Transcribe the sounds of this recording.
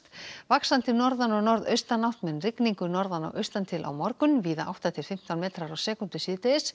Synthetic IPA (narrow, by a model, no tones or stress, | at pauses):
t̪vaksant̪ɪnɔɾðanɔɣnɔɾðœ̰ɥst̪anːawht̪mɛnrɪkniŋkʏnɔɾðanɔ̰wʔœɥst̪ant̪ʰɪlʔa̰wmɔɾkʏnviːðaʔa̰wht̪at̪ʰɪlfɪm̥t̪awnmɛːt̪ɾaɾawsɛːkʏnt̪ʏsiːt̪ɪɪs